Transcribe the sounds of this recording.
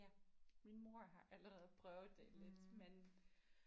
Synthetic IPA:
minmo̝ɐ̰ɦɑ̈ʔæləʁɛð̞̩ˠpʰʁœʊð̩ˠd̥eled̥men

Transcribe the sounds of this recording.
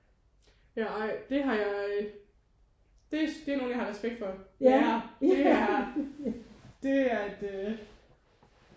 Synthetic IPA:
jæɑɪ̰d̥e̝ɦɑ̈jɑ̈ø | d̥e̝æsd̥eæɐno̝ːn̩jɑ̈hɑʁɛsb̥eɡ̥̚d̥fɒ̽ɑ̥e̝æɐ | d̥e̝æɐd̥ø

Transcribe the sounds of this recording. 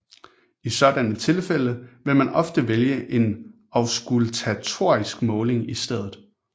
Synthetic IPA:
isɒ̽d̥ænət͡sʰe̝lfel̰əʋe̝lmænɒ̽fd̥əʋeljəʔe̝n | ɒ̽ʊsɡ̥ult͡sʰæt͡sʰo̝ɐ̰isɡ̥mɔ̽ːle̝ŋisd̥eð̞̰ˠð̩ˠ

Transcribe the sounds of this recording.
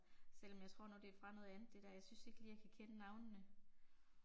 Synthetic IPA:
sel̰ɒ̽mjɑ̈ɪt͡sʰʁo̝ɐ̰nɔd̥e̝æɐfʁɑ̈nɔ̽ðˠænð̩ˠd̥e̝d̥æɐjɑsynse̝ɡ̥lijaɪkʰækʰenənɑ̈ʊnnːə

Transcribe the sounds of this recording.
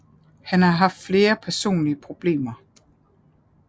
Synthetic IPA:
hænhɑ̈ɦɑ̈fd̥fle̝ːɐpʰæɐso̝̰ːnliəpʰʁo̝b̥le̝̰ːmɐ

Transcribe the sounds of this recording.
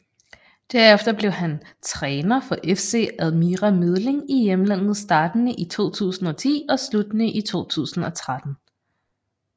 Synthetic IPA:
d̥æɐ̰efd̥ɐb̥le̝ʊɦænt͡sʰʁɛːnɐfɒ̽ʔefse̝̰ːæðˠmiʁæmið̞ˠle̝ŋijemlæn̰ð̞̩ˠsd̥ɑ̈ːd̥ənəʔit͡sʰo̝̰ːt͡sʰṵːsn̩ɒ̽t͡sʰḭːɒ̽slud̥nəʔit͡sʰo̝̰ːt͡sʰṵːsn̩ɒ̽t͡sʰʁad̥n̩

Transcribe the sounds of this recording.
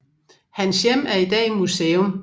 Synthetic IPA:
hænsjem̰æɐid̥ɛ̰ːimuseːɔm

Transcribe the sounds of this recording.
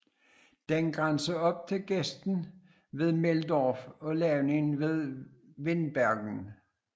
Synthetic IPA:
d̥enɡ̥ʁansɐɒ̽b̥̚t͡sʰe̝lɡ̥esd̥n̩ | ʋe̝ð̞ˠmeld̥ɒːfɒ̽lɛʊnenʋe̝ð̞ˠʋe̝nb̥æɐɡ̥n̩

